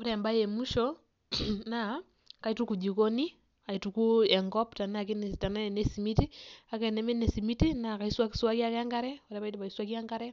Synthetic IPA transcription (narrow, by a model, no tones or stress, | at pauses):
uɾɛmbajemuʃɔ | na | kaitukud͡ʒikoni | aitukuɛŋɡɔptanak̬inetananesimitiakɛnɛmɛnesimitinakaiswaki̥swakiakɛŋɡaɾɛuɾɛβaitβaiswakjaŋɡaɾɛ